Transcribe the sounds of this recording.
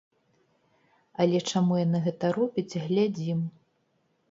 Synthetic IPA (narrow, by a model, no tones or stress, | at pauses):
ɐlʲɛt͡ʂamujanɨɣɛt̪ɐɾɔbʲit͡sʲɣlʲad͡zʲim